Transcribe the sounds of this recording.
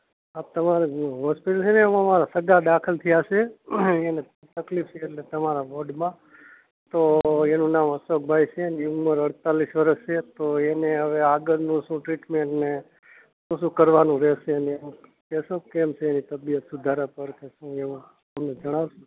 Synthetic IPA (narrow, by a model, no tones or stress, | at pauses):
ap̚t̪əmaɾeɦɔspiʈəlt͡ʃʰeneəməmaɾasəɡad̪akʰəlt̪ʰiaʃeene | t̪əklipʰt͡ʃʰeːʈlet̪əmaɾaboɖmã | t̪oenũnamɦəsok̚bʱajt͡ʃʰeəneuməɾəɽt̪alisʋəɾəʃʃet̪oeneɦəʋeaɡəɾnũʃũʈɾiʈmẽɳʈne | sũsũkəɾʋanũɾɛʃeəneẽ | kɛʃõkemt͡ʃʰeːnit̪əbijət̪sud̪ʱaɾapəɾkeʃũẽ | əmned͡ʒəɽ̃aʋʃũ